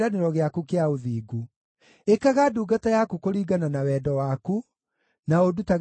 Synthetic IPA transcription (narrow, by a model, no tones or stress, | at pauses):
ɾaneɾɔɣeakukeaoðiːɡu | ekaɣaduːɡatajakukoɾiːɡananawɛːdɔwaku | naodutaɣ